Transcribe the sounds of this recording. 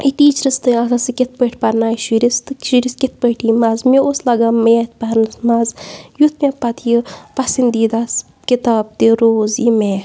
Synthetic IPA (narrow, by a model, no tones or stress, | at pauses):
iʈiːt͡ʃɾɐst̪ɨasɐsɨket̪̚pəʈʰpɐɾnaːʃuɾist̪ɨʃiɾiskʲit̪̚pəʈʰiːmaːzmeoslɐɡaːmet̪̚ʰpɐɾnɨsmaːzjut̪ʰmepɐt̪ʰjipɐsind̪iːd̪as | kit̪aːb̚t̪iɾoːzjime